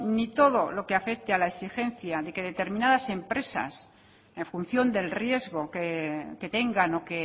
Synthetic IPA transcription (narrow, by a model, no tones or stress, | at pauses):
nit̪o̞ðo̞lo̞keafe̞kt̪ealaesixe̞n̟θjaðe̞ke̞ðe̞t̪e̞ɾmĩnaðase̞mpɾe̞sa̰s | e̞ɱfun̟θjo̞nd̪e̞lrje̞zɣo̞keke̞t̪e̞ŋɡano̞ke̞